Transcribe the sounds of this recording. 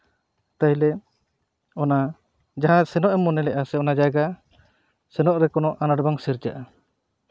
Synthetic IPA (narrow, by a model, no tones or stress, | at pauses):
t̪aɦj̃lɛ | ɔna | d͡ʒaɦãsɛnɔʔɛmːɔnɛlɛʔasɛɔnad͡ʒajɡa | sɛnɔʔɾɛkɔnɔʔanaɽbaŋsiɾd͡ʒaʔa